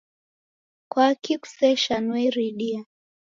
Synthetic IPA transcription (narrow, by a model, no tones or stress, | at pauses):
kwakiku̥sɛʃanwɛɾiɗia